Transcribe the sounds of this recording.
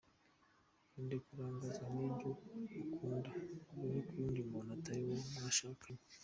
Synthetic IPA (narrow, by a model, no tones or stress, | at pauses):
indekuɾaːŋɡazamniːnd͡ʒoukʰuːndaiβikuɾiːndimonatajiwomaʃapiɲ